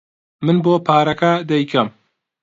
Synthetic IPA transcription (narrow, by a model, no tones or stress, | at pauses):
mɨnboːpʰaːɾɐkɐd̪ɛjkʰɐm